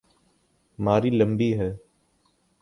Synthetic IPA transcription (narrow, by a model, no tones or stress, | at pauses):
maːɾiːləmbiːɦɛː